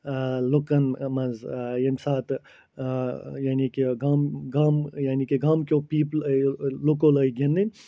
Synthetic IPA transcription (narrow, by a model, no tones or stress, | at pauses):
lokɐnmɐzjensaːt̪ʰ | janikiɡamɡamjaːnikiɡamkopiːpllokoləjɡʱend̪in